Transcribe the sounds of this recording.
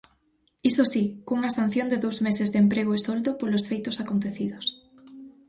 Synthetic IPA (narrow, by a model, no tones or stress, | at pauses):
isosikoŋuŋɐaesan̟θjond̪eðowzmesezðempɾeɣ̞oesold̪opolosfejt̪osakont̪eθiðos